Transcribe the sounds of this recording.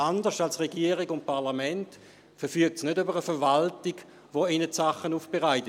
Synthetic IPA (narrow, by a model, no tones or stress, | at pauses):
andəʃtalsʁeɡiːəʁɪɡʊnt̚paʁlamɛnt | fɛfyək̚tsnødybəʁəfɛvaltiɡ | ʋoinətsaχːənuːfb̥eʁaɪtə